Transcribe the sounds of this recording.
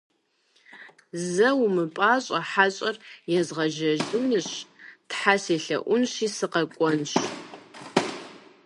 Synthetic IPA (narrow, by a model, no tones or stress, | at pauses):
zɐwmɨpʼaːɕʼɐħaɕʼɐrjɛzʁɐʒɐʒɪwnɨɕtħaseːɬɐ̰ʔʷʊnɕiːsɨqɐkʷʼɔnɕ